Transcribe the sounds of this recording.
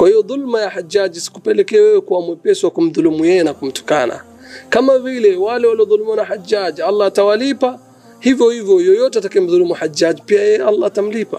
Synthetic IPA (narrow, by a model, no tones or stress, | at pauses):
kwahijɔðulmajahad͡ʒad͡ʒisi̥kupɛlɛkɛawɛwɛkuamwɛpɛsuwakum̩ðulumujɛjɛnakum̩tu̥kana̰ | kamavilɛwalɛwaliɔðulumwanahad͡ʒad͡ʒalˤːaːtawalipa | hivjɔhivjɔjɔjɔtɛatakiɛm̩ðulumuhad͡ʒad͡ʒipiajɛjɛalːaːtam̩lipa